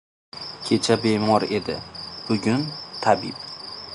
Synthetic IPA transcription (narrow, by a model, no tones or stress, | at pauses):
kʲʰe̞t͡ʃʰabe̞mɒɾe̞d̪ɪ̰b̥ʊɡʲʊnt̪ʰabib̚